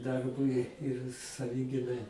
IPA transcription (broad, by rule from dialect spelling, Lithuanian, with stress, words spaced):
ˈdɐrbʊɪ ɪr sɐˈʋʲɪɡʲɪnɐɪ